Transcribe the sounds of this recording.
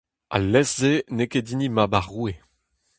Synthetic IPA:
a̰lːɛszenekedinimabaʁue

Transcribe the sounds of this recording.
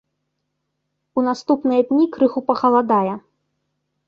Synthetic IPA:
unast̪upnɨjɐd̪ʲnʲikɾɨxupɐɣɐlˠad̪ajɛ

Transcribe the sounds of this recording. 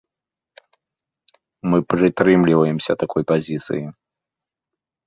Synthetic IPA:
mɨpɾɨt̪ɾɨmlʲivɐjɛmsʲɐt̪akʰɔjpazʲit̪sɨ̰ji

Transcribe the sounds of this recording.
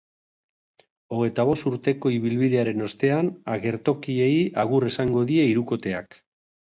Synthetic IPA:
o̞ɣ̞e̞jt̪aβ̞o̞st̪uɾt̪e̞ko̞iβilβiðe̞aɾe̞no̞st̪e̞anaɣe̞ɾt̪o̞kie̞iaɣuresaŋɡo̞ðie̞iɾuko̞t̪e̞a̰k

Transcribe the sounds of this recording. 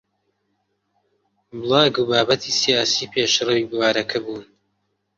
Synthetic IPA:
bɨlˠɑːɡubaːbɐt̪ʰiːsijaːsiːpʰeːʃrɐwiːbwaːɾɐkʰɐbuːn

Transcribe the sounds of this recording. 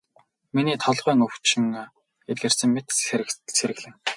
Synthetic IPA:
miniːt̪ʰɔɮʁœːŋɵwt͡ɕɪ̆ŋ | et̪̚ɡeːrsɘ̆ŋmet̪seɾɘ̆ɣɮɘ̆ŋ

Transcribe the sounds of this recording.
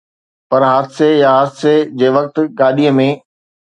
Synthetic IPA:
pɐɾɦaːd̪sejaɦaːd̪sed͡ʑeːʋɐk̚t̪ʊ̆ɠaːɗiəmẽ

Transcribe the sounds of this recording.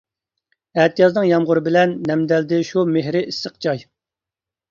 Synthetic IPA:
ɛt̪ʰijɑznɨŋjɑmʁʊɾɨbɪlɛnːɛmd̪ɛld̪ɪʃumeɦɾɪisːəq̚d͡ʒɑj

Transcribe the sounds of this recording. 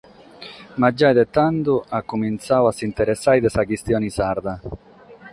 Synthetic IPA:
mad͡ʒːajd̪et̪ːand̪uakːumint̪sawasːint̪ɛɾesːajd̪esakist̪jɔːnisaɾd̪a

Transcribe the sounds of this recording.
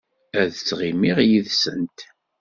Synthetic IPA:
æðt͡sːʁimiʁjiðsə̰nt̪

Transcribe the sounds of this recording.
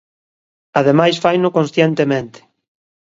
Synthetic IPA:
aðemajsfajnʊkõnsθjent̪emẽnt̪ɪ̥

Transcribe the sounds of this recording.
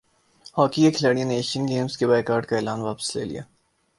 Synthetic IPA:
hɔːkiekʰlaːɽijəneːʃənɡeːmskebɛːkaːɾɖkaeːlaːnʋaːpə̥slḛːlḭa̰ː

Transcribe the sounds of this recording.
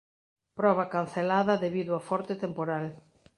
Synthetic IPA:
pɾɔβakan̟θelaðɐðeβiðʊafɔɾt̪et̪empoɾal

